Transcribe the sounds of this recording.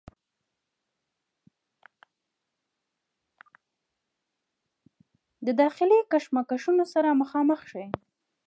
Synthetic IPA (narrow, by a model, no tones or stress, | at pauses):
d̪əd̪ɑxɪlikaʃmakaʃunosaɾaməxɑməxʃaj